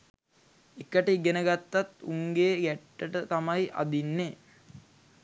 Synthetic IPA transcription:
ekəʈiɡenəɡat̪ːat̪uŋɡeːɡæʈːəʈət̪amajʔa̰d̪inːe

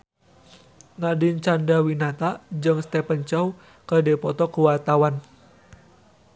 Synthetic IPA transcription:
nadint͡ʃandawinat̪ad͡ʒɨŋst̪ɛpənt͡ʃɔw | kədɛpɔt̪ɔkuwat̪awan

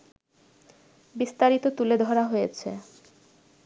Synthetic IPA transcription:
bist̪aɾit̪ot̪uled̪ʱɔɾaɦojet͡ɕʰḛ

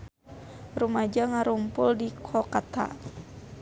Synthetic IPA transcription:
rumad͡ʒaŋaɾumpʊldikʰɔkat̪a̰

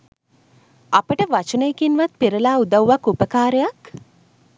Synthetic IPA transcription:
apəʈəʋat͡ʃənəjekinʋat̪̚piɾəlaːud̪awːakupəkaːɾejak

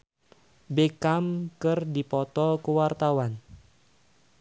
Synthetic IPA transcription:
bekamkərdipɔt̪ɔkəwart̪awan

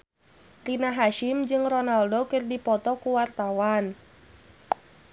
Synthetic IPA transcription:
rinaɦaʃɪmd͡ʒɨŋronaldokɨrdipɔt̪ɔkuwart̪awan

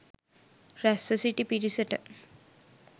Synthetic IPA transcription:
ɾæsəsiʈipiɾisəʈə̰

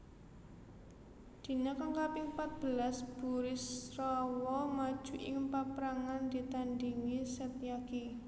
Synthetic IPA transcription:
d̪̥i̤nakaŋkapimpat̪̚b̥ə̤lasb̥uɾɪsrɔwɔmad̥ʒ̥ṳʔɪŋpapɾaŋand̪i̤t̪andiŋisɛt̪ijaki

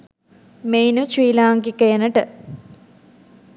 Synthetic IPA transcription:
mejnut͡ʃwiːlaːŋɡikejənəʈə

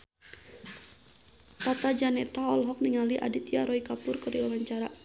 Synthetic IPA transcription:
pɔt̪ad͡ʒanɛt̪aɔlɦɔk̚niŋaliʔa̰dit̪ijaɾɔikapʊrkɨɾiwawaɲt͡ʃaɾa

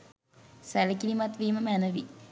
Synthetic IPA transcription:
sɛləkilimat̪ʋiːməmænəʋi

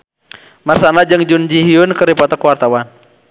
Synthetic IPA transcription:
marsanad͡ʒɨŋd͡ʒund͡ʒiɦiunkəɾipɔt̪akəwart̪awan

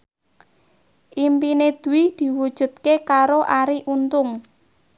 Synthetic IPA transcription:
ʔimpined̪̥ṳwid̪̥i̤wud̥ʒ̥ṳt̪̚kekaɾoʔaɾiʔunt̪ʊŋ

